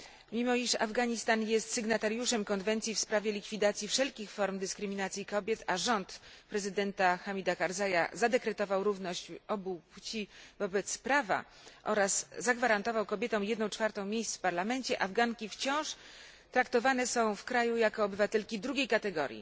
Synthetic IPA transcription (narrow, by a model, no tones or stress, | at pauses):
mʲimɔiʂa̰vɡaɲist̪anjɛst̪sɘɡnat̪aɾjuʂɛmkɔnvɛnt̪sʲjifspɾavʲjɛlʲikfʲid̪at̪sʲjifʂɛlkʲixfɔɾmd̪ɘskɾɘmʲinat̪sʲjikɔbʲjɛt̪aʐɔnt̪pɾɛzɘd̪ɛnt̪axamʲid̪akaɾzaja̰zad̪ɛkɾɛt̪ɔvawɾuvnɔɕt͡ɕɔbuput͡ɕivɔbɛt̪spɾava̰ | ʔɔɾasːaɡvaɾant̪ɔvawkɔbʲjɛt̪ɔ̃w̃jɛd̪nɔ̃w̃t͡ʂfaɾt̪ɔ̃w̃mʲjejst̪fpaɾlamɛnt͡ɕɛʔavɡaŋkʲift͡ɕɔ̃w̃ʂ | t̪ɾakt̪ɔvanɛsɔ̃w̃fkɾajujakɔːbɘvat̪ɛlkʲid̪ɾuɡʲejkat̪ɛɡɔ̰ɾʲjḭ